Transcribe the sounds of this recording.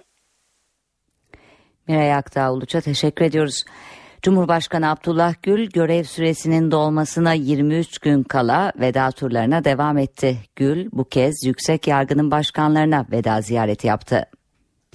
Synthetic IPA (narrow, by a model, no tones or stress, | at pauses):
miɾajakt̪ʰaːolˠut͡ʃʰat̪ʰe̞ʃɛcʰːyɾe̞d̪ijo̞ɾuz̥d͡ʒumhuɾbaʃkanɯab̚d̪ʰulˠːahɟylʲɟø̞ɾɛvsyɾe̞sinind̪o̞lˠmasɯnajiɾmiyt͡ʃɟ̥ynkʰalˠave̞d̪aːt̪ʰuɾlˠaɾɯnad̪e̞vamɛt̪ʰːɪɟ̥ylʲbucʰɛzjycsɛcjaɾɡɯnɯnbaʃkʰanlˠaɾɯnave̞d̪aːzijaːɾet̪ʰija̰pt̪ʰɯ̰